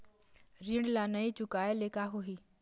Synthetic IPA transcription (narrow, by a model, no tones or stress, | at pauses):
ɾiɳɽɖlanəit͡ʃʊkaːeleːkaɦoɦi